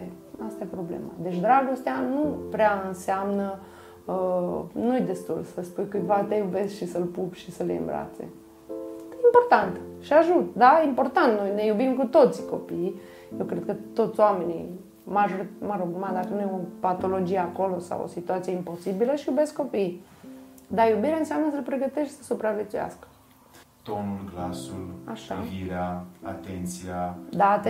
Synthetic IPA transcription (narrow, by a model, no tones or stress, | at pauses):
ast̪ajepɾo̞blḛma̰d̪e̞t͡ʃʲd̪ɾaɡo̞st̪eanupɾeaɨnseamnə | ənujed̪e̞st̪ṵlsəspujkɨj̪vat̪ejube̞skʃisəlpupʃisəlḛɨ̰mbɾa̰t̪sḛ | eimpo̞rt̪ant̪ʃiaʒut̪d̪ajeimpo̞rt̪ant̪no̞jne̞jubimkut̪o̞t̪sʲko̞pi | jewkɾed̪̚kət̪o̞t̪soamenḭ | maʒoɾimaɾoɡumad̪akənujopat̪o̞lo̞d͡ʒieako̞lo̞sa̰wo̰sit̪uat̪sije̞impo̞sibiləʃijubesko̞piː | d̪ajubiɾeaɨnseamnəsəlpɾeɡət̪eʃt̪səsupɾavje̞t̪suja̰skə̥ | t̪onulɡlasula̰ʃa̰viɾeaa̰t̪ent̪siad̪at̪